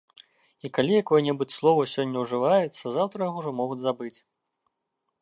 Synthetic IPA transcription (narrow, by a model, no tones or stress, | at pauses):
ikalʲijakɔjɐnʲɛbɨt͡sʲslˠɔvɐsʲɔnʲːɐwʐɨvajɛt̪sːɐzawt̪ɾɐjaɣɔʐɔmɔɣud͡zʲzabɨt͡sʲ